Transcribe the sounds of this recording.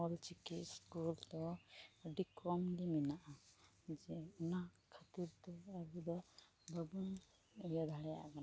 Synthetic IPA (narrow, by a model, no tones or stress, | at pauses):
ɔlt͡ʃikitskult̪ɔɖikɾɔmdiminaʔa | d͡ʒɛuna | kʰat̪iɾt̪ɛabid̪ɔ | bəbun | ujad̪ʱaɭɛja̰ʔkan